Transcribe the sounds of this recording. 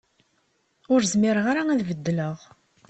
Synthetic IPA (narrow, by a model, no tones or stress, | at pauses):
ʊɾzmɪɾəʁaɾaæðvəd̪ːləʁ